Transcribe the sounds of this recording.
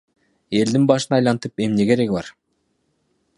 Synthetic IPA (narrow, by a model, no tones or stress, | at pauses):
e̞ld̪inbɑʃɯnɑjlˠɑnt̪ɯpe̞mneɡe̞ɾeɡibɑ̰ɾ